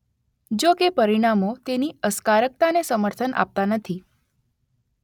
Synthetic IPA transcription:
d͡ʒokepəɾiɽ̃amot̪eniəskaɾək̚t̪anesəməɾt̪ʰənʔa̰p̚t̪anət̪ʰi

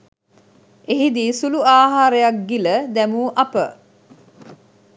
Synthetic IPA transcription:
eɦid̪iːsuluaːɦaːɾejak̚ɡiləd̪æmuːʔapə

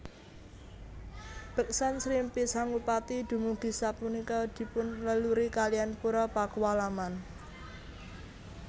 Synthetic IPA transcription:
b̥ə̤k̚sansɾimpisaŋupat̪id̪̥ṳmuɡ̥i̤sapunikɔd̪̥i̤pʊnləluɾikalianpuɾɔpakuwalaman

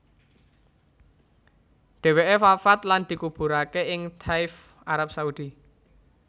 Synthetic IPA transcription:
ɖ̪̥e̤weʔefafat̪land̪̥i̤kub̥ṳɾakeʔɪŋt̪ʰaɪf | aɾap̚saud̪̥i

